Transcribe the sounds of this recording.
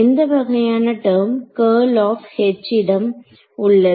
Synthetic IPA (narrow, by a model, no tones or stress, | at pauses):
ɪnd̪ɐʋɐɣɐjaːnɐʈɐɾmkɐːlaːfhɛt͡ʃːɪɽɐm | ʊɭːɐ